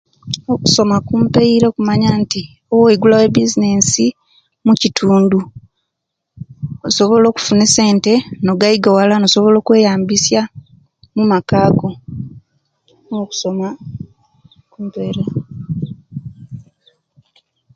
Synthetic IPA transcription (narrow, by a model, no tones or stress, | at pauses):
oku̥so̞makumpe̞iɾekumaɲaːnti | oweiɡulawe̞bizine̞si | mucitʰuːndu | oso̞βo̞lo̞ːku̥funese̞ːnte̞no̞ɡaiɡawalano̞so̞βo̞lo̞ːkwe̞ːjaːmbisja | mumakaːɡo̞ | noku̥so̞ma | kuːmpeɾe